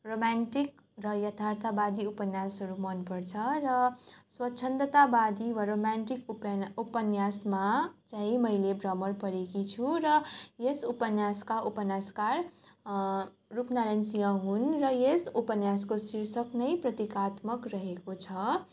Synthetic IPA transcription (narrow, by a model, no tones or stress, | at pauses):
romanʈik | rʌjʌt̪ʰart̪ʰabad̪iupʌnjasɦʌɾumʌnpʌrt͡sʰʌrʌswʌtːt͡ʃʰʌnt̪ʌt̪abad̪iwaɾomanʈikpupʌnjasmat͡sãɦĩmʌjlebrʌmʌrpʌɾekit͡sʰuɾʌjesupʌnjaskaʔupʌnjaskar | rupnaɾʌnsijʌɦunrʌjesupʌnjaskosiɾsʌknʌjprʌt̪ikat̪mʌkrʌɦekot͡sʰʌ